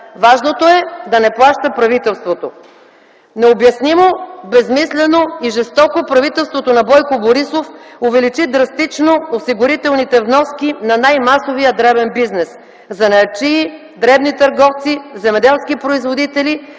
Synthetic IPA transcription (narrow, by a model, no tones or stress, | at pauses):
vaʒnot̪oɛd̪ɐnɛplˠaʃt̪ɐpɾɐvit̪ɛlˠst̪vot̪o | nɛobjɐsnimobɛzmislɛnoiʒɛst̪ɔkopɾɐvit̪ɛlˠst̪vot̪onɐbɔjkoboɾisofʊvɛlit͡ʃid̪ɾɐst̪it͡ʃnoːsiɡʊɾit̪ɛlˠnit̪ɛvnɔskʲinɐnajmasovijəd̪ɾɛbɛnbiznɛs | zɐnɐt͡ʃi | d̪ɾɛbnit̪ɐɾɡɔft̪sizɛmɛd̪ɛlˠsk̟ipɾoizvod̪it̪ɛli